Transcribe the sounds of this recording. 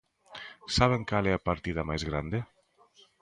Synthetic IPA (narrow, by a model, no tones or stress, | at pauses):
saβ̞eŋkaleapaɾt̪iðamajzɣɾand̪e